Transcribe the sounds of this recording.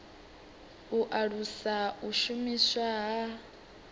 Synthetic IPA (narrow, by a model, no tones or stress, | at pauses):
uʔaɺusauʃumiswaɦa